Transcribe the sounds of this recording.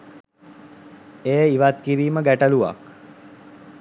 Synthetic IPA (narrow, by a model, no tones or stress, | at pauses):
eːiʋat̪̚kiɾiːməɡæʈəluʋa̰k